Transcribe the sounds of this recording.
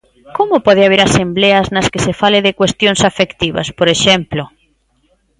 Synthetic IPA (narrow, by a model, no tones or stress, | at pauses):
komopɔð̞eaβ̞eɾasembleɐznɐskesefaleðɪkwest̪joŋsafekt̪iβɐ̰spoɾeʃɛmplo